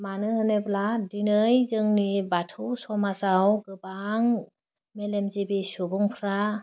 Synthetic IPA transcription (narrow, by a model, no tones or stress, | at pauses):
manɯhɯnebladinɯjzɯŋnibatʰusɔmazawɡɯbaŋ | melemzibisubɔŋpʰɾa